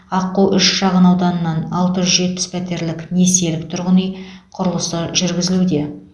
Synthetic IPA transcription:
ɑqːuwʔʏʃʃɑʁənɑwd̪ɑnənːɑnɑlˠt̪əʒʏzʒe̞t̪̚pɪ̥spʰæt̪e̞ɾlɪkne̞se̞lɪk̚t̪ʰʊɾʁənəjqʰʊɾəlˠəsəʒʏɾɡʲɪzɪlud̪e̞

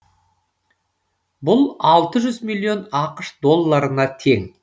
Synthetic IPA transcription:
bʊlˠɑlˠt̪əʒʏzmijlʲːio̞nɑqəʃd̪o̞lˠːaɾənɑt̪ʰe̞ŋ

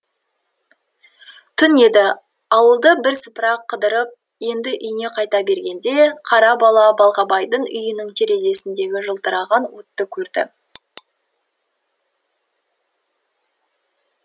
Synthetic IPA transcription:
t̪ʰʏne̞d̪ɪ | ɑwəlˠd̪əbɪɾsəpəɾɑqʰːəd̪əɾəp̚ | je̞nd̪ɪʔʏjne̞qʰɑjt̪ɑbe̞ɾɡʲe̞nd̪e̞qʰɑɾɑbɑlˠɑbɑlˠʁɑbɑjd̪əɴʏ̰jɪnɪŋt̪ʰe̞ɾe̞ze̞sɪnd̪e̞ɡʲɪʒəlˠt̪əɾɑʁɑnwot̪ːəkʲʰɵɾd̪ɪ̰

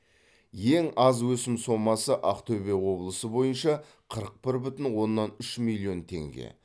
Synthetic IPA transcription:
je̞ŋɑzwɵsɪmso̞mɑsəʔɑqt̪ʰɵbe̞wo̞blˠəsəbo̞jənʃɑ | qʰəɾəq̚pɪɾbʏt̪ɪnwo̞nːɑnʏʃmilʲˠːijo̞nt̪ʰe̞̰ŋɡʲḛ

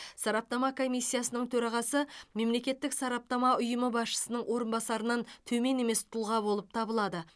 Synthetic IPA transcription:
sɑɾɑp̚nɑmɑkʰo̞mijsʲːijasənəɴt̪ʰɵɾɑʁɑsəme̞mle̞kʲe̞t̪ːɪksɑɾɑp̚nɑmɑʊjəməbɑsʃə̥sənəɴwo̞ɾənbɑsɑɾənɑnt̪ʰɵme̞ne̞me̞st̪ʰʊlˠʁɑbo̞lˠəp̚t̪ʰɑbəlˠɑd̪ə

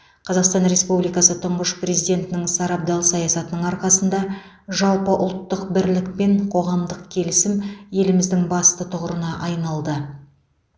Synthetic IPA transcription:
qʰɑzɑqst̪ɑnɾe̞spublijkɑsət̪ʰʊɴʁəʃprʲe̞zijd̪ʲe̞nt̪ɪnɪŋsɑɾɑp̚d̪ɑlˠsɑjɑsɑt̪ənəɴɑɾqɑsənd̪ɑ | ʒɑlˠpəʔʊ̰lˠt̪ːəq̚bɪɾlɪk̚pe̞ɴqʰo̞ʁɑmd̪əq̚kʲʰe̞lɪsɪmje̞lɪmɪzd̪ɪŋbɑst̪ət̪ʰʊʁəɾənɑʔɑjnɑlˠd̪ə

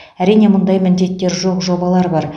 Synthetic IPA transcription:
æɾijne̞mʊnd̪ɑjmɪnd̪e̞t̪ːe̞ɾʒo̞qʒo̞bɑlˠɑɾbɑɾ

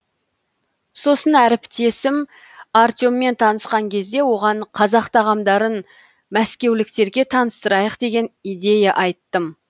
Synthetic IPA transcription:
so̞sənæɾɪpt̪e̞sɪm | art̪jomːe̞nt̪ʰɑnəsqɑŋkʲʰe̞zd̪e̞wo̞ʁɑɴqʰɑzɑqt̪ʰɑʁɑmd̪ɑɾən | mæskʲe̞wlɪk̚t̪e̞ɾɡʲe̞t̪ʰɑnəst̪əɾɑjəqd̪e̞ɡʲe̞nijd̪e̞jɑʔɑjt̪ːəm

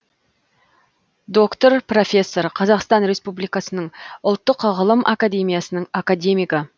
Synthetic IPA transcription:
d̪o̞kt̪o̞ɾpro̞fʲe̞sːo̞ɾqʰɑzɑqst̪ɑnɾe̞spublijkɑsənəɴʊlˠt̪ːəqʁəlˠəmʔa̰kad̪ʲe̞mʲijasənəɴakad̪e̞mijkə

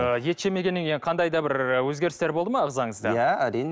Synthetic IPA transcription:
əje̞t̪ʃe̞me̞ɡʲe̞nːɪŋʲejqʰɑnd̪ɑjd̪ɑbɪɾəwɵzɡʲe̞ɾɪst̪e̞ɾbolˠd̪əmɑəʁzɑɴəzd̪ɑjææɾijn

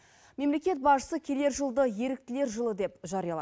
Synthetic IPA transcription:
me̞mle̞kʲe̞t̪̚bɑʃə̥səkʲʰe̞le̞ɾʒəlˠd̪əje̞ɾɪk̚t̪ɪle̞ɾʒəlˠəd̪e̞pʒɑɾijɑlˠɑ̰

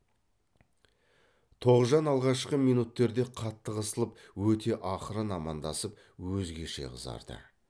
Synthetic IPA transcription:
t̪ʰo̞ʁəzʒɑnɑlˠʁɑʃqəmijnut̪ːe̞ɾd̪e̞qʰɑt̪ːəʁəsəlˠəpwɵt̪ʰe̞ʔɑχəɾənɑmɑnd̪ɑsəp̚ | wɵzɡʲe̞ʃe̞̰ʁəzɑ̰ɾd̪̥ə̰

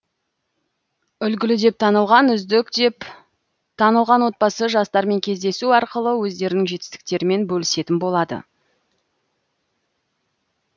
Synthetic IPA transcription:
ʏlɡʲɪlɪd̪e̞p̚t̪ʰɑnəlˠʁɑnʏzɪk̪p | t̪ʰɑnəlˠʁɑnwo̞t̪̚bɑsəʒɑst̪ɑɾme̞ŋkʲʰe̞zd̪e̞suɑɾqəlˠəwɵzd̪e̞ɾɪnɪŋʒe̞t̪ɪ̥st̪ɪ̥k̚t̪e̞ɾɪme̞nbɵlɪse̞t̪ɪnbo̞lˠɑd̪ə̰

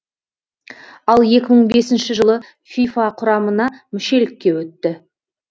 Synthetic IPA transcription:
ɑlˠje̞kʲɪməɴbe̞sɪnʃɪʒəlˠə | fʲifɑqʰʊɾɑmənɑmɪʃe̞lɪkʲːe̞wɵt̪ːɪ

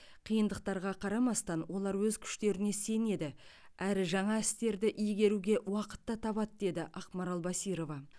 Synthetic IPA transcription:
qʰijənd̪əq̚t̪ɑɾʁɑqʰɑɾɑmɑst̪ɑnwo̞lˠɑɾwɵzkʲʰʏ̥ʃt̪e̞ɾɪne̞se̞ne̞d̪ɪ | æɾɪʒɑɴɑɪst̪e̞ɾd̪ɪʔijɡʲe̞ɾuɡʲe̞wɑqə̥t̪ːɑt̪ʰɑβɑt̪d̪e̞d̪ɪʔɑqmɑɾɑlˠbɑsiɾo̞vɑ

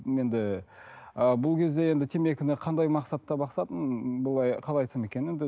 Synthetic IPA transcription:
je̞nd̪ɪ | əbʊlˠkʲʰe̞zd̪e̞je̞nd̪ɪt̪ʰe̞mekʲɪnɪqʰɑnd̪ɑjmɑqsɑt̪ːɑbɑqsɑt̪ənbʊlˠɑjqʰɑlˠɑjt̪əsəme̞kʲene̞nd̪ɪ

